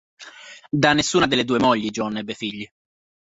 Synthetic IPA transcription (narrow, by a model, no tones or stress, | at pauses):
d̪anːesːuːnad̪eɪlːed̪uːemɔʎːid͡ʒɔnːebefiʎːi